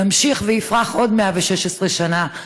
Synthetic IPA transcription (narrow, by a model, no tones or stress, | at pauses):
amʃiχveifʁaχʔo̞dmeaveʃeʃesʁeʃana